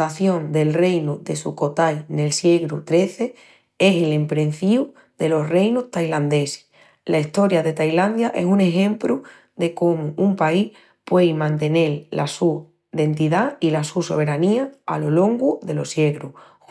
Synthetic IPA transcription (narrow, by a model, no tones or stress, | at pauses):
aθjo̞nd̪e̞lre̞jnuðe̞suko̞t̪ajne̞lsje̞ɣɾut̪ɾe̞θe̞ | e̞selempɾe̞n̟θiu | ðe̞lo̞sre̞jnuht̪ajland̪e̞se̥ | laist̪o̞ɾjaðe̞t̪ajland̪jaʔe̞sune̞xẽ̞mpɾu | ðe̞ko̞muʔumpaih | pwe̞jmãnt̪e̞ne̞llasu | ðe̞nt̪iðailasuso̞βe̞ɾaniaa̰lo̞lo̞ŋɡuðe̞lo̞sje̞ɣɾu